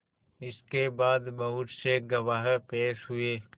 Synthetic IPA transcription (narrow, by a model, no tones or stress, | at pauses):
ɪskebaːd̪mɐɦuʈseɡɐʋaːɦɾpeːʃɦʊeː